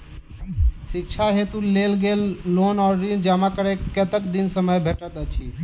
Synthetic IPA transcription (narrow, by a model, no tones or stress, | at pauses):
sɪkt͡ʃʰaɦet̪uleːlɡeːlːoːnɔːɾːind͡ʒaːmakəɾeket̪əkd̪insəməjbʱeʈət̪ət͡ʃʰi